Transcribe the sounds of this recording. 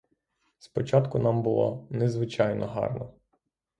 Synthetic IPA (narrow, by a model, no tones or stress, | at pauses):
spɔt͡ʃɑt̪kʊnɑmbʊlˠɔ̰nezʋɪt͡ʃɑjnʔɔɦɑ̰rnɔ